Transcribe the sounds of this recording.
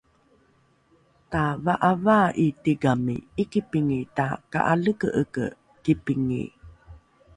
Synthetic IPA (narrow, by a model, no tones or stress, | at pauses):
tavaʔavaʔitiɡamḭikipiŋitaka̰ʔaləkə̰ʔəkə̰ | kipiŋḭ